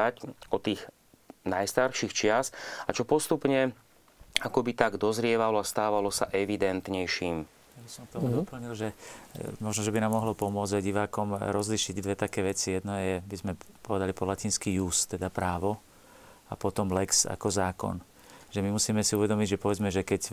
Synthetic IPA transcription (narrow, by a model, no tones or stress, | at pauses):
acɔt̪iːɣ | najst̪aɾʃixt͡ʃɪasat͡ʃɔpɔst̪upɲɛ | akɔbit̪aɡd̪ɔzɾɪɛʋalɔast̪aːʋalɔsa̰ʔɛʋid̪ɛnt̪ɲɛjʃiːm | jabisɔmkt̪ɔmud̪ɔpl̩ɲilʒɛmɔʒnɔʒɛbinaːmːɔɦlɔpɔmʊɔd͡zaɟiʋaːkɔmɾɔzliʃiɟd̪ʋɛt̪akɛːʋɛt͡sijɛd̪nɔjɛbizmɛpɔʋɛd̪alipɔlaciːnskiːjust̪ɛd̪apɾaːʋɔ | a̰pɔt̪ɔmlɛksa̰kɔzaːkɔ̰n | ʒɛmimusiːmɛsiuʋɛd̪ɔmiɟʒɛpɔʋɛd͡zmɛʒɛkɛc